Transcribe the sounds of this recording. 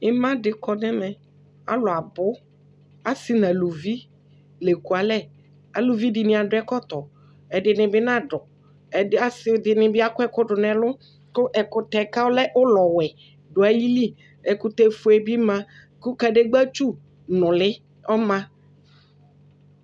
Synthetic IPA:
ɪ˦mã˦dɪ˨kɔ˦nɛ˦mɛ̃˨ | a̰˦lʊ˨a˨bʊ˦ | a˦sɪ˦nã˨lu˨vi˦ | le˨ku˨a˨lɛ˦˨ | a˨lu˨vi˦dɪ˨nɪ̃˦˨a˨dʊ˨˦ɛ˦kɔ˦t̪ɔ˨ | ɛ˨dɪ˨nɪ̃˨bɪ˦nã˦ɖɔ˨ | ɛ˨˦a˦sɪ˦dɪ˨nɪ̃˨bɪ˦a˨kʊ˦ɛ˦kʊ˦ɖʊ˨nɛ̃˨lʊ˦ | kʊ˦ʔɛ˨kʊ˨t̪ɛ˨ka˦lɛ˦ʔʊ˦lɔ˨wɛ˨ | ɖʊ˨a˨ji˦li˦ | ɛ˨kʊ˨t̪ɛ˦fʊ˨ɛ˨bi˦mã˦ | kʊ˦ka˨ɖe˦ɡ͡ba˦t͡ʃu˦ | nʊ̃˨lɪ˦ | ɔ˦mã˦

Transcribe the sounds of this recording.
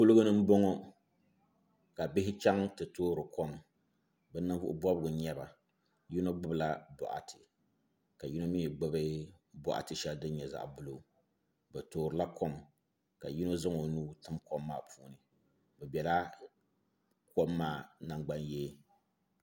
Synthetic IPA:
pʊ˦lɨ˦ɡʊ˦nɨ˦m̩˦bo˦ŋɔ˦ | ka˨bɪ˦ɦɪ˦t͡ʃa˦ŋtɨ˨toː˦ɾɨ˨kɔ˦m | bɛ˦nɨ˦vʊ̰˦ʔʊ̰˦bɔ˦bɨ˨ɡʊ˨ɲɛ˦ba˨ | ji˦no˦ɡ͡bɨ˦bla˦bɔ̰˨ʔa̰˨tɨ˨ | ka˨ji˦no˦miː˦˨ɡ͡bɨ˦bɨ˦bɔ˨ʔa̰˨tɨ˨ʃɛ˦ldɨ˦n˦ɲɛ˨za̰˨ʔbʊ˦lo˨ | bɛ˨toː˨ɾɨ˨la˦kɔ˦m | ka˨ji˦no˦zɨ˦ŋo˨nuː˦tɨ˦mkɔ˦mːaː˦˨pʰuː˦nɨ˨ | bɛ˨bɛ˨la˦ | kɔ˦mːaː˦˨na˨ŋɡ͡ba˦njɛ˦

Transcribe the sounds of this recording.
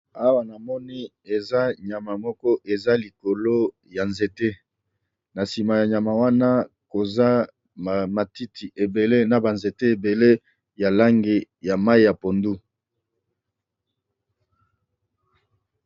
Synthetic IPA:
a˦wa˨na˨mɔ˦ni˦ | e˨za˦ɲa˨ma˨mɔ˦kɔ˦ʔe˨za˦li˨ko˨lo˦ | ja˨nze˨te˦ | na˨si˨ma˨ja˨ɲa˨ma˨wa˦na˦ | ko˨za˦ | ma˨ti˦tʰi˨ʔe˨be˨le˦na˨ba˨nze˨te˦e˨be˨le˦ | ja˨la˦ŋɡe˨ja˨ma˦i˦ja˨po˨ndu˦

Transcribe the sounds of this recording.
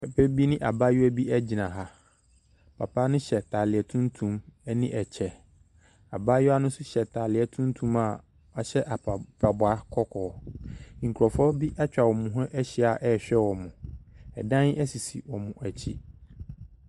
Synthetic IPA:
pʰɛ˨pʰɛ˦bi˦nɪ̃˦ʔa˨ba˦jɔ˦æ˦bi˦æ˦d͡ʑi˨nã˨ɦa˨ | pʰa̰˨pʰa˦nʊ̃˦ɕɛ˨tʰaː˨lɪ˨ɛ˨tʰũ˦ntʰũ˦mɛ˦nĩ˦ʔɛ˨t͡ɕʰɛ˨ | a˨ba˦jɔ˦a˦nʊ̃˦sʊ˦ɕɛ˨tʰaː˨lɪ˨ɛ˨tʰũ˦n˦tʰũ˦ma˨ | a˨ɕɛ˦ʔa˨pʰa˨bʊ˨a˦kʰɔ˦kʰɔː˨ŋ̩˨kʰu˨ɾɔ˨fɔ˦bi˦ʔa˦t͡ɕᶣa˨wɔ˨mʊ̃˨ɦʊ̃˦ʔɛ˦ɕɪ˦˨a˨ʔɛ˦˨ɕᶣɛ˦wɔ˨mʊ̃˨ɛ̰˨dã˦næ˦si˨sḭ˨wɔ˨mʊ̃˨ʔæ˨t͡ɕʰi˦

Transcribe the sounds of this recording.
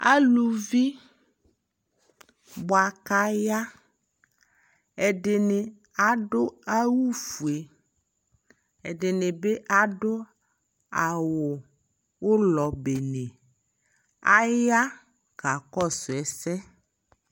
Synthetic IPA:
a̰˦lu˨vi˦ | bɔ˨a˨ka˦ja˦ | ɛ˨ɖe˨ne˨ | a˨ɖo˦a˦wu˦fu˨e˨ | e˨ɖe˨ne˨be˦ʔa˨ɖo˦ | a˨wo˨ | wo˦lɔ˨be˨ne˨ | a̰˦ja˦ | ka˨kɔ˦so˨ɛ˨sɛ˦

